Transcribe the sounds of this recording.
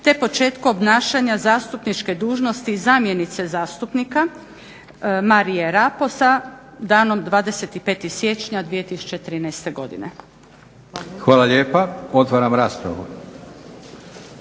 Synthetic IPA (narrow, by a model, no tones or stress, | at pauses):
t̪e̞po̞t͡ʃe̞ːt̪kuobnaːʃeɲazaːst̪upnit͡ʃke̞d̪uːʒno̞st̪izamje̞nit̪se̞zaːst̪upnika | maɾijeɾapo̞sa | d̪aːno̞md̪ʋaːd̪e̞se̞t̪ipe̞ːt̪isje̞t͡ʃɲad̪ʋijet̪isu̥t͡ɕet̪ɾiːnajst̪e̞ɡo̞d̪ḭnḛ | xʋaːlˠaʎeːpaot̪ʋaːɾamɾaːspɾa̰ʋṵɾ